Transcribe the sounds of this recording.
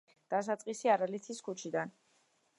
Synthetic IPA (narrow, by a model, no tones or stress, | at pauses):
d̪̥asat̪sʼqʼisiaɾalit̪ʰiskʰut͡ʃʰid̪an